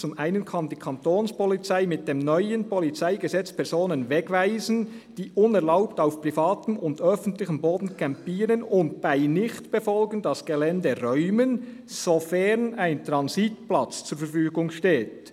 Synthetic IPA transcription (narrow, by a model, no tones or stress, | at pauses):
t͡sʊmʔaɪnənkʰɑndiːkʰɑntoːnspɔlit͡saɪmɪt̚d̥eːmnœʏənpʰɔlit͡saɪɡəzɛt͡spʰɛʁzoːnənvɛɡvaɪzn̩ | d̥iːʔʊnɛʁlaʊptaʊfpʁifaːtəmʊndœfən̩tlɪçəmboːdn̩kʰɛmpiːɾənʊnt̚b̥aɪnɪçtb̥efɔlɡən̩dɑsɡ̥elɛndeʁœʏmən | sofɛʁnaɪntʁɑnzitplɑt͡st͡suːɾfɛɾfyːɡʊŋʃteːt